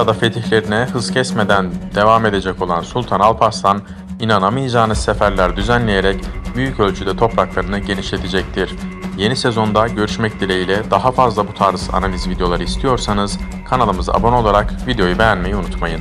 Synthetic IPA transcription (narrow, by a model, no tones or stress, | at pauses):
jad̪afe̞t̪ʰiçlʲe̞ɾinɛhɯz̥cʰɛsme̞d̪ænd̪̥e̞vame̞d̪e̞d͡ʒɛco̞lˠansulʲˠt̪ʰanalˠpʰast̪ʰan | inanamɯjad͡ʒaːnɯzsefæɾlʲæɾd̪yzænlʲe̞jeɾɛcbyjycø̞lʲt͡ʃʰyd̪ɛt̪ʰo̞pɾaklˠaɾɯnɯɟe̞niʃlʲe̞t̪ʰed͡ʒɛc̚t̪ʰiɾ̥je̞nisezo̞nd̪aɟø̞ɾyʃmɛc̚d̪ilʲejilʲɛd̪aɦafazlˠabut̪ʰaɾz̥a̰nalʲizvid̪eo̞lˠaɾɯist̪ʰijo̞ɾsanɯz̥ | kʰanalˠɯmɯza̰bo̞no̞lˠaɾakvid̪ejo̞jubejænme̞jɛunut̪majɯn